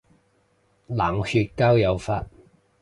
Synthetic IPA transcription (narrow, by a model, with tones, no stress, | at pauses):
laː˨˩ŋhyː˧t̚kaː˥wjɐ˨˧wfaː˧t̚